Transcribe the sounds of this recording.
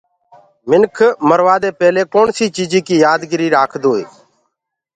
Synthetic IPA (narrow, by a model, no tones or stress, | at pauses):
mɪnkʰməɾʋaːd̪eːpɛːleːkoːnsiːt͡ʃiːd͡ʒiːkiːjaːd̪ɡɪɾiːɾaːkʰd̪oːḛː